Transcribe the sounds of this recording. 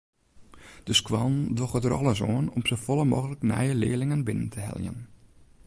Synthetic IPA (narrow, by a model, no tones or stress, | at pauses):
d̥əskwɔndʋoxətəɾɔ̰lˠəs̬oənɔmsəfɔlˠəmoːɣələknɛ̰jəlɪ̰ːəlɪŋənbɪnəntʰəhɛ̰lˠjə̰n